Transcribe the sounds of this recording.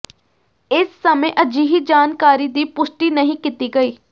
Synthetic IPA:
ɪsːəməeʔəd͡ʒiːɦid͡ʒaːnkaːɾid̪iːpʊʃʈinɐɦĩkɪt̪iɡəiː

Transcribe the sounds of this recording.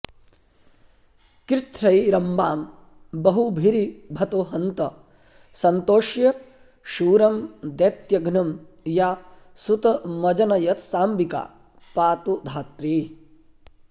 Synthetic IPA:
kɾɪt̪ɾɐjɾɐmbaːm | bɐɦubʱiɾibʱɐt̪oːɦɐnt̪ɐ | sɐnt̪oːʃjɐ | ʃuːɾɐmd̪ɐt̪jɐɡʱnɐm | jaː | sut̪ɐmɐd͡ʒɐnɐjɐt̪saːmbika̰ː | paːt̪ud̪ʱaːt̪ɾiː

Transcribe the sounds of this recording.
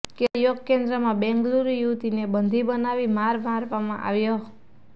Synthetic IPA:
kejoɡkend̪ɾəmãbɛ̃ŋɡluɾijut̪inebənd̪ʱibənaʋimaɾmaɾʋamãʔa̰ʋjo

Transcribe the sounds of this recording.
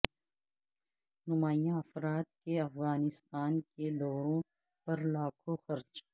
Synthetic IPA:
nʊmaːjãɐfɾaːt̪̚keɐfɣaːnɪst̪aːnked̪ɔːɾõ | pɐɾlaːkʰoxɐɾd͡ʒ

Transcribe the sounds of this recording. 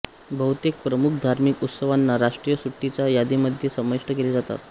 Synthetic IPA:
bʱəɦwt̪jek̚pɾəmukʰd̪ʱaɾmikut̪səʋanːaɾaʂʈɾijəsuʈːit͡ɕajad̪iməd̪ʱjesəməʂʈəkeled͡zat̪a̰t̪

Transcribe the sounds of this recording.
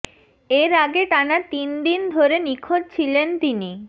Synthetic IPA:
eɾaɡeʈanat̪ind̪ind̪ʱoɾenikʰod̚t͡ɕʰilent̪ini

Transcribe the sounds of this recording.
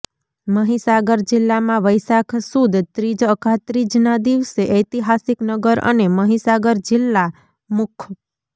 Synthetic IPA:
məɦisaɡəɾd͡ʒɪlːamãʋəjsakʰsud̪t̪ɾid͡ʒəkʰat̪ɾid͡ʒnad̪iʋseʔəjt̪iɦasiknəɡəɾə̰neməɦisaɡəɾd͡ʒɪlːa | mʊkʰ

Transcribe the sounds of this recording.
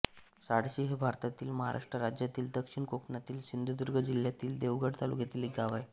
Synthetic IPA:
saɽɕiɦebʱaɾt̪at̪iːlməɦa̰ɾʔa̰ʂʈɾəɾad͡ʑjat̪iːld̪əkʂiɳkoknat̪iːlsind̪ʱud̪uɾɡəd͡ʑiljat̪iːld̪eʋɡəɽt̪alṵɡʱet̪iːlekɡaʋaj

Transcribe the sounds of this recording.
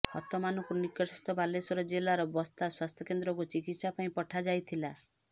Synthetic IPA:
hɔ̰t̪ɔmanɔkuɾnikɔsɔst̪ɔbalesɔɾɔd͡ʒelaɾɔbɔst̪aswast̪ʰjɔkend̪ɾɔkut͡ʃikit̪sapaĩpɔʈʰad͡ʒajt̪ʰila

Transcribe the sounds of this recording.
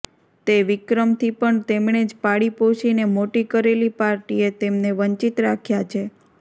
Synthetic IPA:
t̪eʋikɾəmt̪ʰipəɳt̪emɳed͡ʒpaɽipot͡ʃinemoʈikəɾelipaɾʈiet̪emneʋəɲt͡ʃit̪ɾakʰjat͡ʃʰe

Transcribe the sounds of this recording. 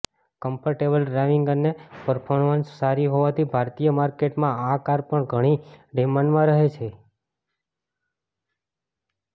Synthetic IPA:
kəmpəɾʈebəlɖɾajʋiŋɡənepəɾpʰoɾmənsːaɾiɦoʋat̪ʰibʱaɾt̪ijəmaɾkeʈmãakaɾpəɳɡʱəɽ̃iɖemãnmãɾəɦet͡ʃʰe

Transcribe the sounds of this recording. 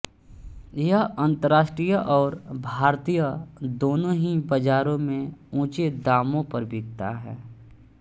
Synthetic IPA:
jɐɦɐ̃nt̪əɾaːʃʈɾijəʔɔːɾbʱaːɾt̪ijəd̪oːnõɦibɐd͡ʒaːɾõmẽũːt͡ʃed̪aːmõpɐɾbɪɡ̚t̪a̰ɦɛ̰ː

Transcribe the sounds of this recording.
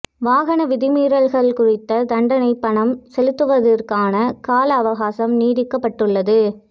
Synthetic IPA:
ʋaːɣɐnɐʋɪðɪmiːɾɐɭɣɐɭkʊɻɪt̪ːɐd̪ɐɳɖɐnɐɪpːɐɳɐmsɛlɯt̪ːɯʋɐðɐrkaːnɐkaːlɐːʋɐɣaːsɐmniːðɪkːɐpːɐʈːɯɭːɐðɯ

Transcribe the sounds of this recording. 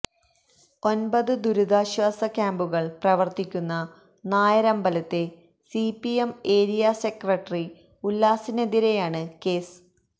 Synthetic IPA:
o̞nbɐðɨd̪uɾuðaːɕʋaːsɐkʲaːmbuɣɐɭprɐʋɐrt̪ikʲːunːɐ | naːjɐɾɐmbɐlɐt̪ːe̞ | sipieme̞ːɾijase̞krɐʈːri | ulːaːsineðiɾe̞jaːɳɨke̞ːs

